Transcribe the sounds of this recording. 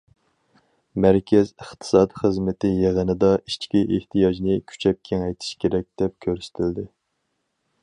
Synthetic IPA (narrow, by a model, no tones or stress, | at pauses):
mæɾkʲʰɛzəχt̪ʰɨ̥sɑd̪χəzmɪt̪ʰɪjeʁənɨd̪ɑʔit͡ʃkʲiʔeht̪ʰijɑd͡ʒnɪkʲʰy̥t͡ʃʰɛp̚kʲʰɛŋɛjt̪ʰi̥ʃkʲʰeɾɛk̚ʲd̪̥ɛp̚kʲʰøɾsɪ̥t̪ʰɪld̪ɪ